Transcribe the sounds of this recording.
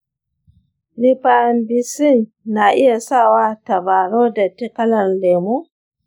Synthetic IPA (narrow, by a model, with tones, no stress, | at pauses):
li˨pa˨nbi˨si˦nː | a˨ʔi˦ja˨sa˦wa˦ta˨ba˨ɾo˦da˨ti˦ka˦la˨nlɛ˨mu˦